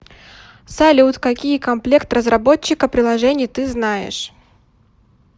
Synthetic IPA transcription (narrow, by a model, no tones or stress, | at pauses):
sɐlʲut̪kɐkʲijəkɐmplʲe̞kt̪rəzrɐbo̞t͡ɕːɪkɐpɾʲɪlˠɐʐɛnʲɪjt̪ɨznajɪ̰ʂ